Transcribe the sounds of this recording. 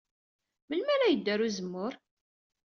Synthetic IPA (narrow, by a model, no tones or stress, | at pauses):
məlmæɾæjəd̪ːæɾuzəmːʊɾ